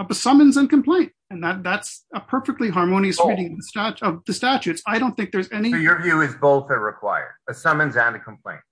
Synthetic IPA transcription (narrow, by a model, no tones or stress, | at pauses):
bəsʌmɨ̃nzɨ̃nkʰɨ̃m̩pʰl̥ẽɪ̃nt̚ɨ̃nðæt̪̚ðætsəpʰɜ˞fɨk̚tˡliɦɑɹmõʊ̃ñiɨsɹiɾɪ̃ŋʌðəstæt͡ʃʌvðɨstæt͡ʃʉtsaɪɾõʊ̃nθɪ̃ŋk̚ðə˞zɛnijə˞vjʉɪzboʊθɨt̚ɹɨkʰw̥a̰ɪə̰˞ɨsʌmɨ̃nzɨ̃nɨkʰm̩pʰl̥ḛ̃ɪ̃nt̚